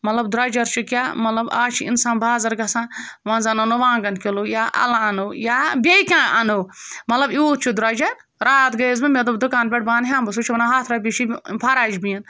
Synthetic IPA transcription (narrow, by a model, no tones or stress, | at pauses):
mɐt̪lɐbd̪ʊɾaːd͡ʒɐɾt͡ʃʰukʲaːmɐt̪lɐba̰ːt͡ʃʰiḭnsaːnbaːzɐɾɡɐsãːʋɐ̃nzɐnɐnoʋãːɡɐnkʲolojaːʔɐ̰lãɐnojaːbʲeikʲãɐnowmɐt̪lɐbjut̪̚t͡ʃʰud̪ɾaːd͡ʒɐɾ | ɾaːt̪ɡɐzbɨmʲet̪d̪ud̪ʊkaːnbʲeʈ̚baːnɦʲãːmbɐsut͡ʃʰiʋɐnaɦaːt̪ʰɾɐbʲit͡ʃʰipʰaɾaːd͡ʒbĩːn